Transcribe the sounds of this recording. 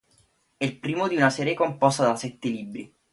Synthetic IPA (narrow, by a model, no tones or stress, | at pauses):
ɛilpɾiːmod̪iunasɛːɾjekompɔst̪ad̪asɛt̪ːeliːbːɾi